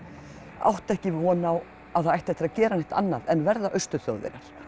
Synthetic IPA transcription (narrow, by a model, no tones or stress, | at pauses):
a̰wht̪ɛhcɪvɔːnaw | aθaðajht̪ɛht̪ɪɾaðcɛːɾanajht̪a̰nːaðɛnvɛɾðaʔœɥst̪ʏθjo̰wðvɪ̰ɾaɾ̥